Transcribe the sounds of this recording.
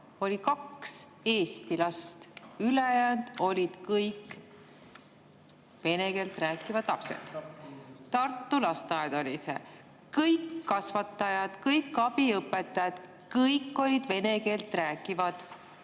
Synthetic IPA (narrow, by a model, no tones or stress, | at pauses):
o̞lʲikɑkse̞ːst̪ilɑst̪ylejænd̪̥o̞lʲid̪̥kɤjkːˑ | ve̞ne̞ke̞ːlt̪ˑræːkːˑivɑd̪̥lɑpsḛd̪̥ | t̪ːɑrt̪ˑːulɑst̪ɑjɑd̪̥o̞lʲisḛ | kɤjkːɑsvɑt̪ːˑɑjɑd̪̥kɤjkːˑɑb̥iɤpːˑe̞t̪ːˑɑjɑd̪̥ | kɤjkːˑo̞lʲid̪̥ve̞ne̞ke̞ːlt̪ræːkːˑivɑd̪̥